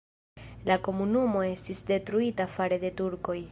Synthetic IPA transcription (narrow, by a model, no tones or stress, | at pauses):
lako̞munumo̞e̞stisde̞tɾuitafaɾe̞de̞tuɾko̞j